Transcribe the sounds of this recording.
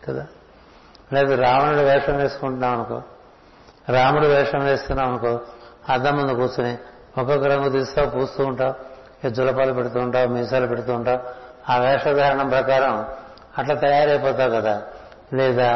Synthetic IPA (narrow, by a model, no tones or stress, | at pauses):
kɐd̪aː | leːd̪aɾaːmunuɽuʋɛːʂɐmʋeːsu̥kuɳʈunːaːʋɐnɐko̰ | ɾaːmuɽuʋɛːʂɐmʋe̞ːst̪unːaːʋɐnɐkoɐd̪ɐmːund̪ukuːt͡ʃuni | ɔkɔkːɐɾɐŋɡut̪iːst̪akuːst̪uːɳʈaːu | ed͡ʒulɐpaːlɐpeɽut̪uːɳʈaːwmiːsaːlupeɽut̪̬uːɳʈaːu | aːʋɛːʂɐd̪ʱɐɾɐɳɐmpɾɐkaːɾɐm | ɐʈlaːt̪ɐjaːɾɐjpɔːt̪aːɾukɐd̪aː | lɛːd̪aː